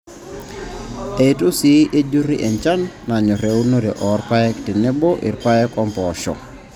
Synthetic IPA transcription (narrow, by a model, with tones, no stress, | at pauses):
e˨i˨tu˦si˦ʔe˦d͡ʒu˦ɾi˦ʔɛ˨ɲt͡ʃa˦nːa˨ɲɔ˨ɾe˨u˦no˦ɾɛ˨ʔɔ˨ɾpa˦jɛ˦kti˨nɛ˦bɔ˦ʔḭ˨ɾpa˦jɛ˦kɔ˦mpɔ˨ʃɔ̰˨